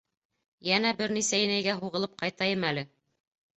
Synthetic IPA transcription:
jænæbɘɾnisæjɘ̆næjɡæɦuʁɤ̆lˠɤp̚qɑjt̪ɑjɤmælɘ

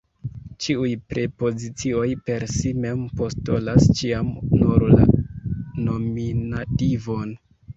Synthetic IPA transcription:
t͡ʃiujpɾe̞po̞zit͡sio̞jpe̞ɾsime̞mpo̞sto̞last͡ʃiamnuɾla̰ | no̞minativo̞n

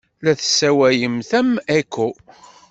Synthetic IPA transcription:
læθəsːæwæjəmθæmækʰʷːu

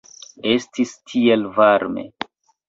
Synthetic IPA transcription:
e̞stistʰielvaɾme̞̰

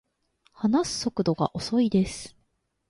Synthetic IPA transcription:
hanasɨ̥so̞kɯ̟d̪o̞ɡa̰ʔo̞so̞id̪e̞sɨ̥

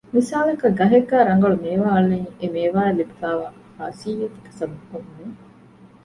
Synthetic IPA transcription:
misaːlekɐɡɐɦekːaːɾɐŋɡɐɭumeːʋaːɐlːeniemeːʋaːelːibifaːʋaː | ha̰ːsiːjet̪k̪ɐ̥sɐb̪ukomne

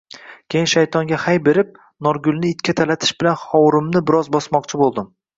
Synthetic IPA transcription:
kʲʰejɪnʃajt̪ʰɒŋɡʲahajbe̞ɾɪp̚ | nɒɾɡʊlˠnɪɪt̪kʲat̪ʰalat̪ʰɪ̥ʃbɪlanχɒwɾɪmnɪbɪɾɒzbɒsmɒqt͡ʃʰɪbolˠd̪ɪm

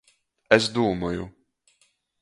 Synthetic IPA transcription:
ɛsd̪uɔmɔjṵ

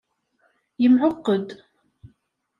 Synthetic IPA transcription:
jəmʕʊqːəd̪

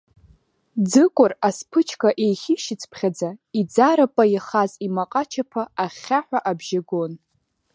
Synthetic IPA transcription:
d͡zɨkʷʼʊraspʰɨt͡ʃʰkʰʼaʔejχʲɪʃɪt͡sʰpʰχʲad͡zaid͡zaɾapʼajaχazimaqʼat͡ʃʰapʰaaχʲaħʷᶣaʔabʒaɡo̞n

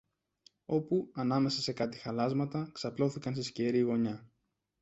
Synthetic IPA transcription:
o̞puɐnɐme̞sɐse̞kɐt̪i̥xɐlɐzmɐt̪ɐksɐplo̞θikɐnst̪isceɾiɣo̞ɲɐ

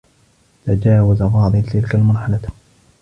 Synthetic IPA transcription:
t̪ad͡ʒaːwazaɣɑːd̪ˤɨt̪ɪlkalmɑɾˤħɑla

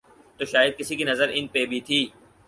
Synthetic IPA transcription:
t̪oːʃaːjəd̪̚kɪsikinɐzəɾɪnpebʱit̪ʰiː

